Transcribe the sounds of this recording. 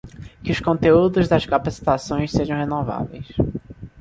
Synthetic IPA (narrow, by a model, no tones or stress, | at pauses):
kɪʊʃkõnt̪eud̪ʊzd̪ɐskapasi̥t̪asõj̃sseʒɐ̃w̃ɦenova̰vḛjs